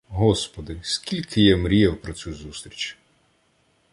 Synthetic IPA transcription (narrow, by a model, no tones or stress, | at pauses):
ɦɔspɔd̪ɪsʲkʲilʲkʰɪjɛmɾʲijɛwpɾɔt͡sʲuzust̪ɾʲit͡ʃʲ